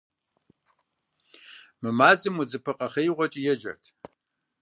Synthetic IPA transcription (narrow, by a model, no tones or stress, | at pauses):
mɨmaːzɨmud͡zɨpʰɨqʼɐχɐjʁʷɔt͡ʃʼijɛd͡ʒɐ̰rtʰ